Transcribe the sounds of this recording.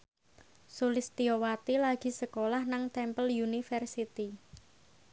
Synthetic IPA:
sulɪst̪iowat̪ilaɡ̥i̤səkolahnaŋt̪ɛmpəljunifərsit̪i

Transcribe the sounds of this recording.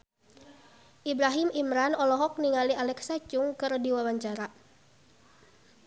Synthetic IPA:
ʔibɾaɦimimɾanɔlɔɦɔk̚niŋalialɛksat͡ʃʊŋkɨrdiwawaɲt͡ʃaɾa

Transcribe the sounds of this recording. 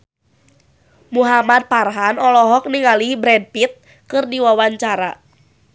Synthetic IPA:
muɦamad̪̚parɦanɔlɔɦɔk̚niŋalibɾɛd̚pit̪̚ | kɨrdiwawaɲt͡ʃaɾa̰

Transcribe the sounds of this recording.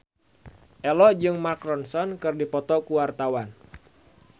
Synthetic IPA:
ʔɛlɔd͡ʒɨŋmarkɾɔnsɔnkɨrdipɔt̪ɔkuwart̪awan

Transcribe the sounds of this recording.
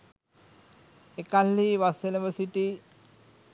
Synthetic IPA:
ekalːiʋaseleʋəsiʈi

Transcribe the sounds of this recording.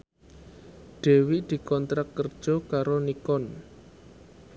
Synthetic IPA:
ɖ̪̥e̤wiʔd̪̥i̤kɔnt̪ɾakkərd̥ʒ̥ɔ̤kaɾonikɔn

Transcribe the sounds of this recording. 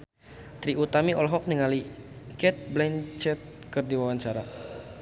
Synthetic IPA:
t̪ɾiut̪amiɔlɦɔk̚niŋalikɛt̪̚blɛnt͡ʃɛt̪̚ | kərdiwawaɲt͡ʃaɾa

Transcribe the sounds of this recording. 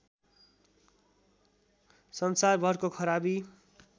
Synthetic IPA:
sʌnsarbʱʌrkokʰʌɾabi

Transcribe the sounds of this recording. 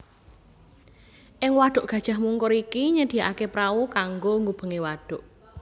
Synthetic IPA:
ʔɪŋwaɖ̥ʊ̤ʔɡ̥a̤d̥ʒ̥a̤ɦmuŋkʊɾikiɲəd̪̥i̤jaʔa̰kepɾaukaŋɡoŋɡub̥ə̤ŋewaɖ̥ʊ̤ʔ

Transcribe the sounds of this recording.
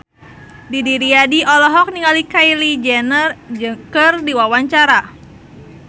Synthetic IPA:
didiɾiadiʔɔlɔɦɔk̚niŋalikailid͡ʒɛnərd͡ʒɨŋkərdiwawaɲt͡ʃaɾa

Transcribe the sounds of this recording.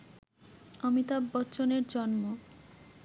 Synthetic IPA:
ʌmit̪abːɔtːɕoneɾd͡ʑɔnmo

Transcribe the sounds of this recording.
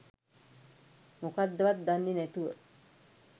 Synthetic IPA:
mokad̪ːəʋat̪̚d̪and̪inɛt̪uʋə

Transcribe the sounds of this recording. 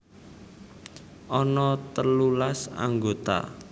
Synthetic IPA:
ʔɔnɔt̪əlulasa̰ŋɡot̪a̰

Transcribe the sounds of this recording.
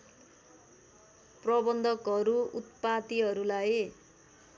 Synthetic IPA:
prʌbʌnd̪ʱʌkʌɾuut̪̚pat̪iɦʌɾulaj

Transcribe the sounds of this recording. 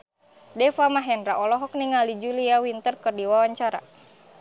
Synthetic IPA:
dɛfamaɦɛnɾaʔɔlɔɦɔk̚niŋalid͡ʒuliawint̪ərkɨrdiwawaɲt͡ʃaɾa̰

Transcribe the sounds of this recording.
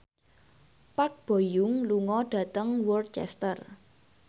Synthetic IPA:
pak̚b̥o̤jʊŋluŋɔɖ̥ä̤t̪əŋwɔrd̪̚t͡ʃɛ̰st̪ər

